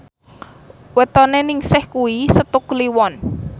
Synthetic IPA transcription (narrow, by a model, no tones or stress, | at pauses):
wət̪ɔnenɪŋsɪhkuwisət̪ʊkliwɔn